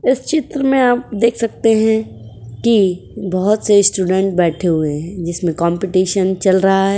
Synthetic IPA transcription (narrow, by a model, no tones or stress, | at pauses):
ɪst͡ʃɪt̪ɾəmẽaːp̚d̪eːkʰsɐk̚t̪eɦɛ̃ki | bɐɦʊt̪sesʈuːɖɛ̃ɳʈ̚bɛːʈʰeɦueɦɛ̃d͡ʒɪsmẽkãːmpɪʈiːʃənt͡ʃɐlɾɐɦaɦɛː